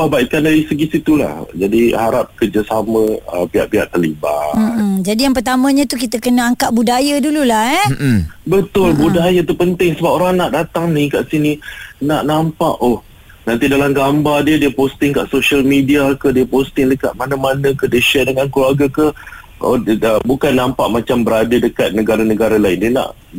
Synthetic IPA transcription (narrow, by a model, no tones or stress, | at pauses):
pahbaikandaɾisəɡisit̪ula̰hd͡ʒadihaɾap̚kərd͡ʒasamə̃ə̰pia̰ʔpia̰ʔt̪əliba̰m̩d͡ʒadijaŋp̬ərt̪amə̃ɲãt̪ukit̪əkənəaŋkaʔ̚budajadululahɛbət̪ʊlbudajat̪upənt̪ɪŋsəbap̚oɾaŋnaʔdat̪aŋnĩkaʔsininaʔnampa̰ʔoh | nãnt̪idalamɡambardiədiəpost̪ɪŋkaʔsoʃalmidiakəhdiəpost̪ɪŋləka̰ʔ̪̚manãmanə̃kədiəʃɛdəŋankluaɡakəh | əbukanːampaʔmat͡ʃambəɾadədəkat̪̚nəɡaɾanəɡaɾalaɪndiəna̰ʔ